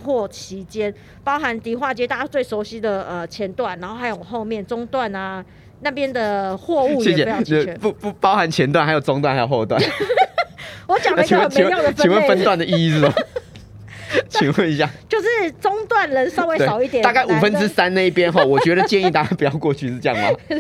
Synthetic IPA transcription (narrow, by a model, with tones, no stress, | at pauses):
xwɔ˥˩t͡ɕʰi˨˧˥t͡ɕjɛ˥n | pɑ˥ʊxa˧˦nt̪i˨˥xwa˥˨t͡ɕjɛ˥t̪a˥˧a˥t͡swe˥˩ɪʂo˧˥ʊɕi˥d̪ə˨ə˩t͡ɕʰjɛ˧˥nt̪wa˥˩na˧˥nxo˥˩xa˧˥jo˨˩˨xo˥˧ʊmjɛ˥˨nt͡sʊ˥ŋt̪wa˥˨na˩ | na˥˨˩pjɛ˦˥nd̪ə˨xwɔ˥˧u˥˨ɕjjɛ˥˩˨ɕjɛ˨˧jpu˥˧pu˨˧pɑ˥˦ʊxa˨˧˦nt͡ɕʰjɛ˧˦nt̪wa˥˩nha˧˥ɪjo˨˩ʊʈ͡ʂʊ˥ŋt̪wa˥nha˥ɪjo˨˩xo˥˧ʊt̪wa̰˥˨n | wɔ˧˦t͡ɕja˨ŋʰ˨i˧˥ŋwə˥t͡ɕʰei˧˦jo˥˧ŋd̪ət͡ɕi˧ŋwə˥nfə˦˥nt̪wa˥˨ndə˨i˥sɹ̩˥˩ɔ˨˩ | t͡ɕʰi˧˥ŋwə˥˩ni˧˥ɕja˥˨˩t͡ɕjo˥˧ʊʂɻ̩˥˩t͡sʊ˥ŋt̪wa˥˨˩nlə˨˦nsɑ˥˧ʊwe˥ɪe˥˨ɑ˨˩ʊi˥˩t̪jɛ˨˩a˥˧ka˥˩ɪʔu˨˩fə˦nʈ͡ʂɻ̩˦˥sa˥˦nna˥˧i˥˩pjɛ˦nxɔ˥˨˩wɔ˨˩t͡ɕɥɛ˧˦d̪ə˨t͡ɕjɛ˥˧ni˥˧t̪a˥˧ka˥˩pu˨˩jɑ˥˧ʊkwɔ˥˧t͡ɕʰy˥˧ʂ̩˥˧ʈ͡ʂjɑ̰˥˩mɐ̰˨˩